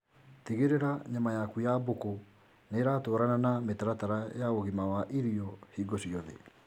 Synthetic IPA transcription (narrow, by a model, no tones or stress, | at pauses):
tiɣeɾeɾaɲamajakujaboko | neːɾatoːɾananametaɾataɾajaoɣimawaʔiɾiɔhiɡosiɔðḛ